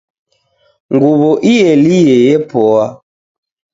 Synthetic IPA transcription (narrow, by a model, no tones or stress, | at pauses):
ŋɡuβɔʔijɛlijɛjɛpɔa